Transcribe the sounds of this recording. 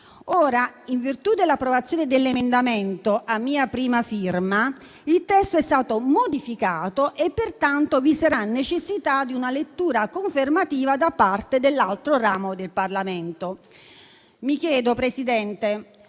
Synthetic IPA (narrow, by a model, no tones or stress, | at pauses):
oːɾaiɱvirt̪ud̪elːapɾovat̪sːjoːned̪elːemend̪ament̪oʔamːiːapɾiːmafirma | ilt̪ɛst̪oɛst̪aːt̪omod̪ifikaːt̪oʔepːert̪ant̪ovisaɾanːet͡ʃesːit̪ad̪iunalet̪ːuːɾakoɱfermat̪iːvad̪apart̪ed̪elːalt̪ɾoraːmod̪elparlament̪o | mik̟jɛːd̪opɾesid̪ɛnt̪e